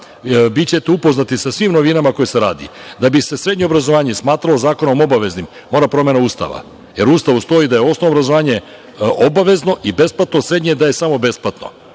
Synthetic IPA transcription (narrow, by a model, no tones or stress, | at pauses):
bit͡ɕe̞t̪eupo̞znat̪isasʋimno̞ʋinamako̞jese̞ɾa̰ːd̪ḭd̪abise̞sɾe̞d̪ɲeobɾazo̞ʋaːɲesmaːt̪ɾalˠo̞zaːko̞no̞mo̞baʋe̞znim | mo̞ːɾapɾo̞mje̞nauːst̪a̰ʋa̰ | je̞ɾuːst̪aʋust̪o̞jid̪ajeo̞snoʋobɾazo̞ʋaːɲe̞ | obaʋe̞zno̞ʔibe̞splat̪nosɾe̞d̪ɲed̪aje̞samo̞be̞splat̪no̞̰